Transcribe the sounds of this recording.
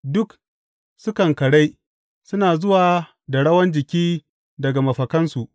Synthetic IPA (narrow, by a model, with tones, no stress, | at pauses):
dʊ˦k | sʊ˦kɐ˨ŋkɐ˨ɽa˦j | sʊ˦naː˨zʊ˦waː˨ | da˨ɽɐ˦wɐ˦nd͡ʒɪ˨kʲiː˦ | dɐ˨ɡa˨mɐ˨ɸɐ˨kɐ˦nsu˨ʔ